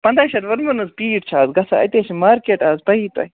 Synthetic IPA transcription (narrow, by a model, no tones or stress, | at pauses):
pɐnd̪ɐːʃɐɾʋɐɾmɐnɐzpiːʈt͡ʃʰaːzɡɐsaɐ̰t̪eːʃimaːɾkeːʈaːzpɐiːt̪ɐ̰i